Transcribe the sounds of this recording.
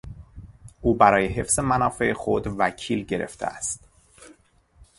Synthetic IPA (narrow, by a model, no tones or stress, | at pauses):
ʔuːbæɾɒːjeɦe̞fz̥e̞mænɒːfe̞exod̪væcʰiːlɟe̞ɾḛft̪ʰḛæst̪